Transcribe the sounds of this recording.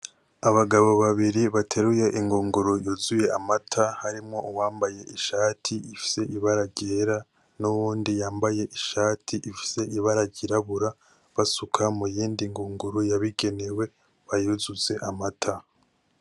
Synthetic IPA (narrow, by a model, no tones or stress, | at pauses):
aβaɡaβo̞βaβiɾiβatʰe̞ɾuje̞ʔiŋɡuːŋɡuɾujuzuje̞amatʰahaɾimŋo̞ʔuwaːmbaje̞ʔiʃaːtʰiifi̥se̞ʔiβaɾaɟeɾa | nuβuːndijaːmbaje̞ʔiʃaːtʰiʔifi̥se̞ʔiβaɾaɟiɾaβuɾa | βasukʰamujiːndiŋɡuːŋɡuɾujaβiɡe̞newe̞ | βajuzuze̞ʔamatʰa